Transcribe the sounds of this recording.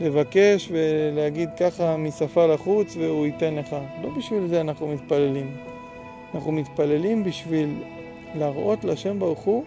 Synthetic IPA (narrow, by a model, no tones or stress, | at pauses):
le̞vake̞ʃve̞leaɡid̪kaχamisafalaχut͡sveuit̪e̞nle̞χalo̞biʃvilzeanaχnumit̪pale̞lim | anaχnumit̪pale̞limbiʃvilː | aʁʔo̞t̪laʃe̞mbaʁuχu